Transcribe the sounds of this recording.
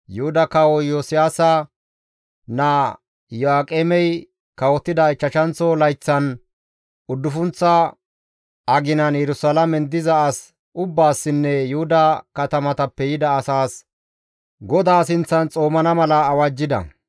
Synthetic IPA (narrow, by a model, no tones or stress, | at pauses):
jʊhʊd̪ɐkɐwɔjoːsɪjaːsɐ | nɐ | jɔaːkʼemɛj | kɐwɔt̪ːɪd̪ɐɪt͡ʃːɐʃɐnt͡sɔlɐjt͡sːɐn | ʊd̪ːʊfʊnt͡sːɐ | ʔɐɡɪnɐnjɛɾʊsɐlɐmɛnd̪ɪzɐɐs | ʔʊbːaːsːɪnːɛjʊhʊd̪ɐkɐt̪ɐmɐt̪ɐpːɛjɪd̪ɐːsaːs | ɡɔd̪aːsɪnt͡sːɐnt͡sʼo̞ːmɐnɐmɐlɐːwɐd͡ʒːɪd̪ɐ̰